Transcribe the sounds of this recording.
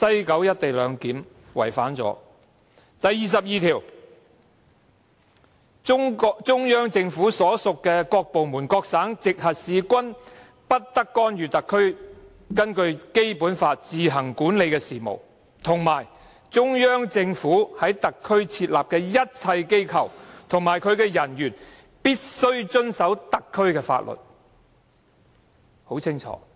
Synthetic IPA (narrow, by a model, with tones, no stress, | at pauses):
sɐ˥jkɐ˨˥wjɐ˥t̚t̪e˨jlœː˨˧ŋkiː˨˥m | wɐ̰˨˩jfaː˨˥nt͡sɔ̰ː˨˥ | t̪ɐ˨jːiː˨˩s̬ɐ˨p̚jiː˨t̪ʰiː˨˩w | t͡ʃʊ˥ŋjœː˥ŋt͡sɪ˧ŋfuː˨˥sɔː˨˥sʊ˨kːɛː˧kɔː˧k̚po˨wmuː˨˩nkɔː˧k̚saː˨˥ŋt͡sɪ˨k̚hɐ˨t̚siː˨kʷɐ˥n | pɐ˥t̚t̪ɐ˥kːɔː˥nɥyː˨t̪ɐ˨kʰːɵ˥ɥ | kɐ˥nkɵ˧ɥke˥jpuː˨˥nfaː˧t̚t͡siː˨ɦɐ˨˩ŋkuː˨˥nle˨˧jkɛː˧siː˨mo̰˨˩w | t̪ʰʊ˨˩ŋmaː˨˩j | t͡sʊ˥ŋjœː˥ŋt͡sɪ˧ŋfuː˨˥hɐ˨˥jt̪ɐ˨kʰːɵ˥ɥt͡sʰiː˧t̚laː˨p̚kɛː˧jɐ˥t̚t͡sʰɐ˧jke˥jkʰɐ̰˨wt̪ʰʊ˨˩ŋmaː˨˩jkʰɵ˨˧ɥkɛː˧jɐ˨˩njyː˨˩n | piː˥t̚sɵ˥ɥt͡ʃɵ˥nsɐ˨˥wt̪ɐ˨kʰːɵ˥ɥkɛː˧fa̰ː˧t̚lʔɵ̰˨˩t̚ | ho˨˥wt͡sʰɪ˥ŋt͡ʃʰɔ̰ː˨˦